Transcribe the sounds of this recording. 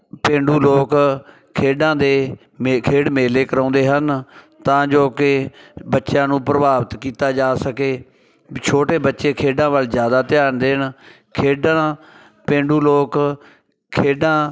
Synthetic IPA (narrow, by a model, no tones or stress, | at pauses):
pẽːɳɖuːloːk | kʰeːɖãːd̪eː | mkʰeːɖmeːleːkəɾãːnd̪eːɦən | t̪ãːd͡ʒoːkɪbətːʃjãːnũːpɾəbaːbt̪kiːt̪aːd͡ʒaːsəkeː | t͡ʃʰoːʈeːbətːʃeːkʰeːɖãːʋəlzjaːd̪aːt̪ɪjaːnd̪eːn | kʰeːɖãː | pẽːɳɖuːloːk | kʰeːɖãː